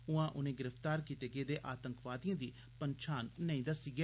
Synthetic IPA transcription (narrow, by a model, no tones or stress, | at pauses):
ʊãːʔʊnẽːɡɪɾəft̪aːɾkiːt̪eːɡeːd̪eːʔaːt̪əŋkʋaːd̪ijãːd̪iː | pəɲt͡ʃʰaːnːəĩːd̪aːsiːɡɛː